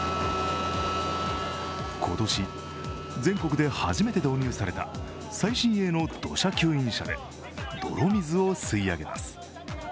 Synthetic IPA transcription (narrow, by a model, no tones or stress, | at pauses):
kʰo̞t̪o̞ɕi | d͡zẽ̞ŋko̞kɯ̟d̪e̞haʑime̞t̪e̞d̪o̞ːɲ̟ʲɨːsaɾe̞t̪a̰ | saiɕĩɰ̃e̞no̞d̪̥o̞̰ɕakʲɨːĩɰ̃ɕa̰d̪e̞̰ | d̪̥o̞̰ɾo̞mʲizɨo̞sɨiaɡe̞ma̰sɨ̥